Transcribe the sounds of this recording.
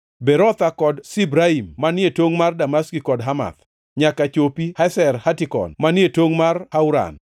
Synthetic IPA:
beɾɔt̪akɔdsibɾaimːanjetoŋmardamaskikɔdɦama̰t̪ | ɲakat͡ʃopihasɛrhatɪkɔ̰nmanjetoŋmarhauɾa̰n

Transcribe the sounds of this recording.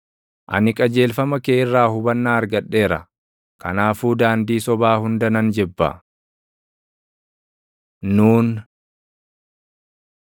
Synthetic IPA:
ʔɐ̰nɪkʼɐd͡ʒe̞ːlfɐmɐkeːɪrːaːhʊbɐnːaːɐɾɡɐɗːe̞ːɾɐ̰ | kɐ̰naːfuːd̪aːnd̪iːsɔbaːhʊnd̪ɐnɐnd͡ʒɛbːɐ̰ | uːn

